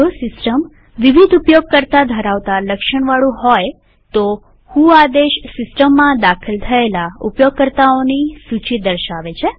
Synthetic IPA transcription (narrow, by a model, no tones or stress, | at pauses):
osɪsʈəm | ʋiʋid̪ʱupjoɡ̚kəɾt̪ad̪ʱəɾaʋt̪aləkʃəɳ̃ʋaɭũɦɔj | t̪o | hũad̪eʃsɪsʈəmːãd̪akʰəlt̪ʰəelaupjoɡ̚kəɾt̪aonisut͡ʃid̪əɾʃaʋet͡ʃʰe